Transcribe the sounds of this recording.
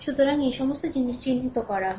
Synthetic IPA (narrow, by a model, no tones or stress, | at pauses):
ʃud̪oɾaŋejʃɔmost̪od͡ʑiniʃt͡ɕint̪it̪okɔɾaɦ